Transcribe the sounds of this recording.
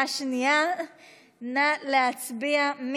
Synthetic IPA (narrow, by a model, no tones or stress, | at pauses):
aʃnia | naleat͡sbiam